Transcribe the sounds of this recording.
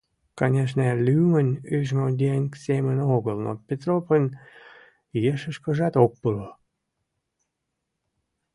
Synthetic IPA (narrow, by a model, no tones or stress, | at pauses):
kɑnʲeʃ̬nəlʲymənʲyʒmod̪ʲenʲksemənoɣəlˠno̰pʲet̪ɾopənʲ | jeʃəʃkə̆ʒɑt̪ok̚pələ